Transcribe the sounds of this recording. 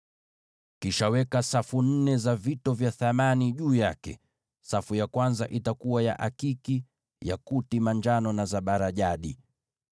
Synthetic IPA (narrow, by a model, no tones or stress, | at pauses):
kiʃawɛkasafun̩nɛzavitɔvjaθamaniʄuːjakɛ̰ | safujakwanzaʔitakuwaja̰ʔakiki | ja̰kutimaɲd͡ʒanɔnazaɓaɾaʄaɗi